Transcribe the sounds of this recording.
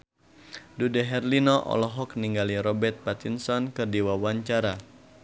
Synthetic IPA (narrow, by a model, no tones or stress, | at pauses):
dudɛɦɛrlinɔʔɔ̰lɔɦɔk̚niŋɡaliɾɔbɛrt̪̚pat̪insɔnkɨrdiwawaɲt͡ʃaɾa